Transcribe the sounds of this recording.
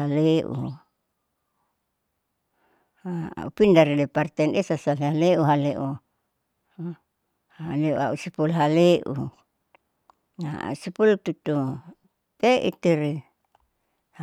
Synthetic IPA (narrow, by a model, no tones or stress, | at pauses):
aleʔṵ | aa̰upindaɾidepart̪ɛnesasaleɦaleʔuɦaleʔu | aleʔṵaʔusipulɦaleʔu | a̰usipult̪ut̪u | t̪eʔḭt̪iɾi | h